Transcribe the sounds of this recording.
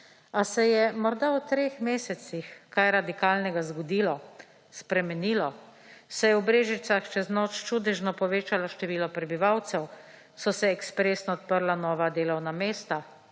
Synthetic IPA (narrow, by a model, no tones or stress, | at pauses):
asɛjɛmɔɾd̪awt̪ɾeːxmeːsɛsixkajɾad̪ikaːlnɛɡazɡɔd̪iːlɔ | spɾɛmɛniːlɔ | sɛjɛwbɾeːʒit̪saxt͡ʃɛznɔːt͡ʃt͡ʃud̪ɛʒnɔpɔʋeːt͡ʃalaʃt̪ɛʋiːlɔpɾɛbiʋawt̪sɛw | sɔsɛɛkspɾeːsnɔɔt̪pəɾlanɔːʋad̪eːlɔwnameːst̪a